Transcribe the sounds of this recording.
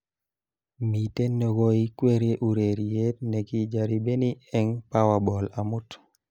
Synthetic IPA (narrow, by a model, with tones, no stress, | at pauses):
mi˨te˦nːo˨ɡɔ˦i˦kwe˦ɾe˦ʔu˨ɾe˨ɾie˦t̚nɛ˨ki˦d͡ʒa˨ɾi˨be˦ni˦ɛ˦ŋpa˦wa˨bɔ˨la˨mʊ˦t